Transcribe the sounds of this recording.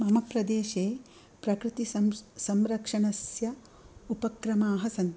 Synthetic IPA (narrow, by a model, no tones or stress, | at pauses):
mɐmɐpɾɐd̪eːʃeː | pɾɐkɾɪt̪isɐmsɐmɾɐkʂɐɳɐsjɐ | upɐkɾɐmaːɦɐsɐnt̪